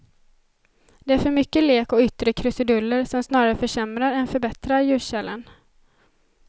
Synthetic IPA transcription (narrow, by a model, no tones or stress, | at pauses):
d̪̥ɛæɾfœɾmʏkːəleːkɔʏt̪ːɾəkʰɾɵsɪd̪ɵlːəɾsɔmsnɑːɾaɾəfœʂɛmɾaɾɛnfœɾbɛt̪ɾaɾjʉ̟ːɕɛlːə̰n